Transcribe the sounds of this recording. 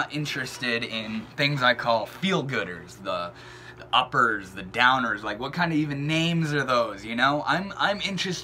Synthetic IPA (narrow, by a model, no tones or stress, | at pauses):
əɾʔɪ̃nt͡ʃɹ̥ɨstɪɾɪ̃nθɪ̃ŋzaɪkʰɔlˠfilˠd̚ɡʊɾə̰˞zði | ðiʔʌpə˞zðɨdãʊ̃nə˞zlaɪkwʌt̚kʰãɪ̃ndʌvivɨ̃nːẽɪ̃mzə˞ðoʊzjɨnoʊʔã̰ɪ̃mã̰ɪ̃mɪ̃nt͡ʃɹ̥ɨst